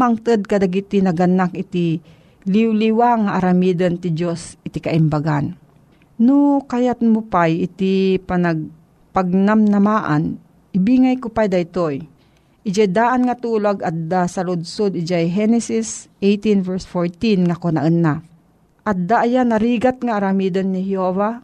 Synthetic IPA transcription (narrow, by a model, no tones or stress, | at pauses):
maŋt̪ɨd̪̚kad̪aɡit̪inɐɡanakɪt̪i | liwliwaŋaʔaɾamiːd̪ənt̪ɪd͡ʒosɪt̪ikaʔɪmbaɡan | nʊkajat̪̚mʊpajɪt̪ipanaɡ̚ | paɡ̚namnɐmaːʔa̰n | ɪbiŋajkʊpajd̪aɪt̪oj | ʔɪd͡ʒajd̪aːʔanŋat̪uːlaɡat̪̚d̪asalʊd̪̚sod̪ɪd͡ʒajɦɛnɛsisʔejt̪invɛsfoɹt̪inŋakona̰ʔənːa | ʔat̪̚d̪aʔjanaɾiɡat̪̚ŋaːɾamid̪anːɪhjova